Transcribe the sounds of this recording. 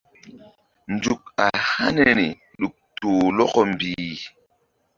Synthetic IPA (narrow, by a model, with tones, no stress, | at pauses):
nd͡ʒu˨k̚a˨ha˦ne˦ni˨ | ɗu˨k̚toː˨lɔ˦kɔ˦mbiː˨